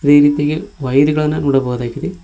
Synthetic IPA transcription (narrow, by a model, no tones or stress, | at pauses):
id̪e̞ːɾiːt̪ijɐɡeʋɐjɾuɡɐɭɐnːɐnuːɽɐbɐɣud̪aːɡid̪e